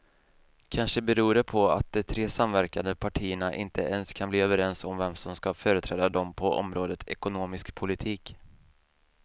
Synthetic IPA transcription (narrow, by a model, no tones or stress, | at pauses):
kʰanʂəbɛɾuːɾɛpʰɔa̰t̪̚d̪ɛt̪ʰɾeːsamvæɾkand̪əpʰaʈʰiːəɳaʔɪ̰nt̪ʰəɛnskʰanbliːøːvəɾɛnsɔmvɛmsɔmskafœːɾət̪ʰɾɛːd̪ad̪ɔmpʰɔʔɔ̰mɾoːd̪ət̪ɛkʊnoːmɪskpʰʊlɪt̪ʰiːk